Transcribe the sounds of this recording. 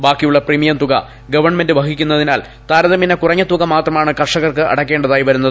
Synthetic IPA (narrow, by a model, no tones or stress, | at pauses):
baːkːijuɭːɐprimijɐmt̪uɣɐ | ɡɐʋɐrɳme̞ndɨʋɐkikʲːunːɐðinaːl | t̪aːɾɐðɐminɐkurɐɲːɐt̪uɣɐmaːt̪rɐmaːɳɨkɐrʂɐɣɐrkɨʔɐ̰ɽɐkʲːe̞ːɳɖɐðaːjiʋɐɾunːɐðɨ